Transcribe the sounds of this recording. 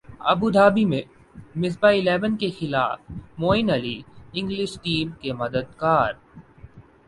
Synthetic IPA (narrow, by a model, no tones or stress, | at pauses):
ɐ̰bud̪ʱaːbimẽ | mɪsbaɪlɛːʋənkexɪlaːfmoːɪnɐliɪ̃ŋɡlɪʃʈiːmkemɐd̪əd̪̚kaːɾ